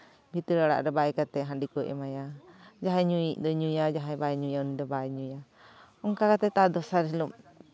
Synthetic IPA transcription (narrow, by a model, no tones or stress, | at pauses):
bʱit̪əɾaɽa̰ʔɾɔbaɛkat̪ɛɦaɳɖikɔʔɛ̰majad͡ʒaɦaɲuiʔd̪ɔɲujad͡ʒaɦajbajɛɲujaunid̪ɔbaɛɲuja | ɔŋkakat̪ɛt̪ad̪ɔsaɾɛlum